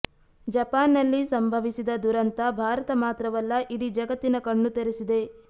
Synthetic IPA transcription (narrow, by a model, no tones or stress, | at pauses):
d͡ʒɐpaːnːɐlːisɐmbʱɐʋisid̪ɐd̪uɾɐnt̪ɐbʱaːɾɐt̪ɐmaːt̪ɾɐʋɐlːɐʔiɽid͡ʒɐɡɐt̪ːinɐkɐɳːut̪eɾesid̪e̞